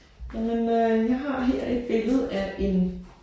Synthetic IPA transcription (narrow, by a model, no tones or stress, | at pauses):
jmenøjɑ̈ɪɦɑ̈ɦeɐ̰e̝d̥̚b̥e̝ləð̞̩ˠæɐʔe̝n